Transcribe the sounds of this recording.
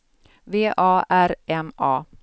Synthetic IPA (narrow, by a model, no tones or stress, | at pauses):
veːʔɑːæɾʔɛmɑː